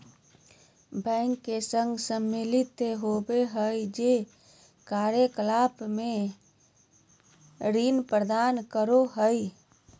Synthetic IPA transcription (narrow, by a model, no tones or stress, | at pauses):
bə̃ŋkːesə̃ŋɡsəmːilit̪ɦobeɦəjd͡ʒe | kaɾjəkəlapme | ɾinpɾəd̪ankəɾoɦəj